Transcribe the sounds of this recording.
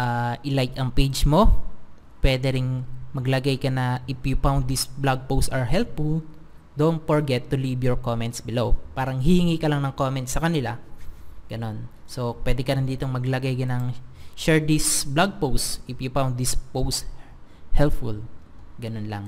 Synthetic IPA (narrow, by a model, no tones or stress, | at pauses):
ʔaːʔɪlajk̪ɐŋpejd͡ʒmo̞ | pwɛːd̪ɛɾɪŋmɐɡlɐɡajkɐnɐʔɪfjʊpawnd̪̚d̪ɪsblaɡ̚powst̪ɐɹɦɛlpful | d̪ont̪̚foɹɡɛt̪ːʊlibjɔɹkomɛnt̪sbɪlowpaːɾɐŋhɪhɪŋikɐlaŋnɐŋkomɛnt̪sɐkɐnɪla | ɡ̥ɐno̞n | so̞pwɛːd̪ɛkɐnɐnd̪iːt̪oŋmɐɡlɐɡajkɐnɐŋʃɛɹd̪isblaɡ̚powst̪ʔɪfjʊpawnd̪̚d̪ɪspowst̪ | hɛlpfṵlɡɐnonlɐ̰ŋ